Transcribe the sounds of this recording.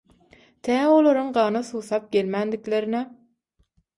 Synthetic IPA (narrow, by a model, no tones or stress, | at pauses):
t̪ʰæːolˠoɾuŋɢɑːnɯθuːθɑp̚ɡ̥ʲelmænd̪ikleɾine